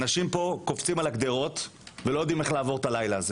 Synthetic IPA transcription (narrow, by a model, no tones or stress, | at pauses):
naʃimpo̞ko̞ft͡simalakd̪eʁo̞t̪velo̞jod̪ime̞χlaːvo̞ʁt̪alajlaːze